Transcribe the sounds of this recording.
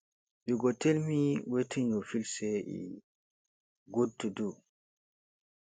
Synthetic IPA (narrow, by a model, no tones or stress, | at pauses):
biɡɔtelmiwetʰiɲɔfilsɛʔḭ | ɡotːudu